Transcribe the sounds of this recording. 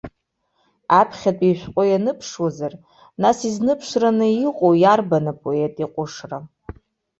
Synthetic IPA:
apʰχʲatʼiʃᶣʷqʷʼojanɨpʰʂwazar | nasiznɨpʰʂranɨiqʼowjarbanapʼoetʼiqʷʼʊʂra

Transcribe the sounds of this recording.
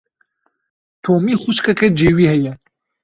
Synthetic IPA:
t̪ʰoːmiːxuʃkɐkʰɛd͡ʒeːwiːhɛjɛ

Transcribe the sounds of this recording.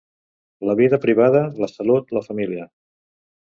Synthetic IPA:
ləβiðəpɾiβað̞ələsəlut̪ləfəmiliə

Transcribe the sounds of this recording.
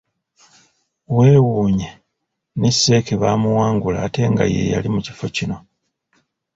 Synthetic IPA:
we̞ːwuːɲe | nesːe̞ːkeβaːmuwaːŋɡulaːte̞ŋɡa̰je̞̰ja̰limuci̥fo̞cino̞

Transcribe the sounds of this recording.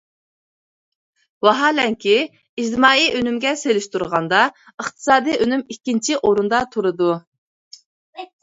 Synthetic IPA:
wɑɦɑːlɛŋkʲʰi | id͡ʒd̪ɨmɑːiʔønymɡʲɛselɪʃt̪ʰuɾʁɑnd̪ɑ | əχt̪ʰɨ̥sɑːd̪ijønymikʲːint͡ʃʰiʔoɾund̪ɑt̪ʰuɾɨd̪u

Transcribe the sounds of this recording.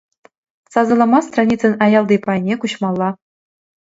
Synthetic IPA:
sɑzɤ̆lˠɑmɑst̪rɑnʲit͡sɤ̆nɑjɑlˠd̪ipɑjnʲekuɕmɑlˠːɑ

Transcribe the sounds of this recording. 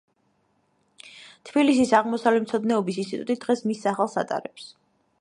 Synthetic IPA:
t̪ʰb̥ilisisaʁmɔsavlɛmt̪sʰɔd̪nɛɔbisinst̪ʼit̪ʼṵt̪ʼid̪ʁɛsmisːaχalˠsa̰t̪ʼa̰ɾɛps

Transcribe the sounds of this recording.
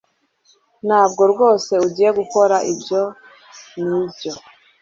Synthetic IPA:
n̥haːbɡo̞ɾɡo̞ːse̞uɟiːje̞ɡuko̞ɾaʔibjo̞ | niːbjo̞

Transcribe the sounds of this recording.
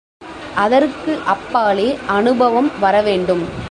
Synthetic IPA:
ʔɐðɐɾkɯʔɐpːaːleːʔɐnɯbɐʋɐmʋɐɾɐʋeːɳɖɯm

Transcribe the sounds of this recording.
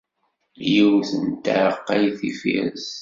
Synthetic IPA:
jiwθənt̪ə̰ɾəqːæjθifḭɾəz

